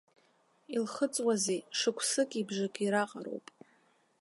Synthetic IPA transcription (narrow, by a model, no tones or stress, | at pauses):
ilχət͡sʼwazeʂɨkʷʰsɨkʲʼibʐakʼiɾaqʼaro̰wpʼ